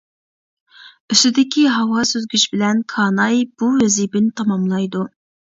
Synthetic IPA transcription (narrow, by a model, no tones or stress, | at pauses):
yst̪ɪd̪ɪkʲiɦɑwɑsøzɡʲyʃbɪlɛnkʰɑːnɑjb̥uwɛzibɪnt̪ʰɑmɑmlˠɑjd̪u